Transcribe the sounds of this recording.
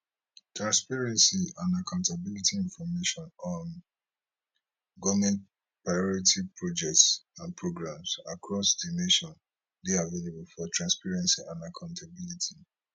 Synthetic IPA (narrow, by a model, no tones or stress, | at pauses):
tɹãnspaɹɛ̃nsiãnakʰãʊ̃ntabilitiĩnfɔmeʃɔ̃nɔ̃n | ɡɔmɛ̃nt̚ | pɹaɪɔɹitʰipʰɹod͡ʒɛk̚tsãnpɹoɡɹãmsa̰kʰɹɔsdineʃɔ̃n | biavelebulfɔtʰɹãnspaɹɛ̃nsiãnakʰãʊ̃ntʰabilitʰi